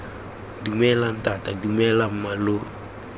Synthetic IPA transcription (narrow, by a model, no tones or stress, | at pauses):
dumɛlan̩tatadumɛlamalo